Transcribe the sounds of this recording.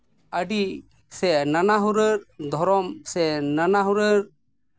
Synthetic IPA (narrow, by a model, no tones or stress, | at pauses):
əɖi | sɛnanaɦuɾəɾd̪ʱɔɾɔmsɛnanaɦuɾəɾ